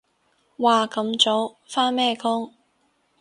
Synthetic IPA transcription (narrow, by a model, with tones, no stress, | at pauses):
waː˨kɐ˨˧˥mt͡so˨˧˥w | faː˥nmɛː˥˩kʰʊ˥ŋ